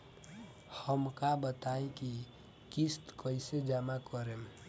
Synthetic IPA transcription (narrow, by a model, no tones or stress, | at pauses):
həmkabət̪aẽki | kist̪kəised͡ʒamakəɾem